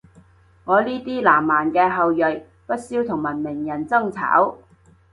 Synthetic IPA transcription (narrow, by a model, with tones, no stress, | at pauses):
ŋɔː˨˧liː˥t̪iː˥laː˨˩mːaː˨˩nkɛː˧ɦɐ˨wjɵ˨j | pɐ˥t̚siː˥wt̪ʰʊ˨˩ŋmɐ˨˩nmɪ˨˩ŋjɐ˨˩nt͡sɐ˥ŋt͡sʰa̰ː˨˥w